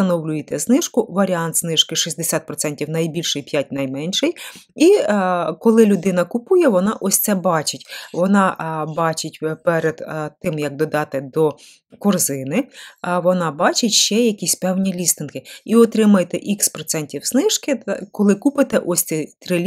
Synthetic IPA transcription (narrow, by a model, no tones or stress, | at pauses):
t̪ɐnɔwlʲʊjt̪ɛsnɪʃkʊʋɐɾʲiɑnt̪snɪʃkɪʃizʲd̪esʲat̪̚pɾɔt̪sɛnʲtʲiwnɐjbʲilʲʃɪjpʲjat̚ʲnɐjmɛnʲʃɪjikɔlˠɪlʲʊd̪ɪn̪ɐkʊpujɛʋɔnɑʔɔsʲt̪sɛbɑt͡ʃɪtʲʋɔnɑbɑt͡ʃɪtʲpɛɾed̪̥t̪ɪmjɐɡ̚d̪ɔd̪ɑt̪ɪd̪ɔ | kɔrzɪnɪʋɔnɑbɑt͡ʃɪtʲʃt͡ʃɛjɐkʲisʲpɛwnʲilʲist̪ɪnkɪiɔt̪ɾɪmɐjt̪ɛʔikspɾɔt̪sɛnʲtʲiwsnɪʒkɪkɔlˠɪkupɪt̪ɛʔɔsʲsɛt̪ɾɪlʲ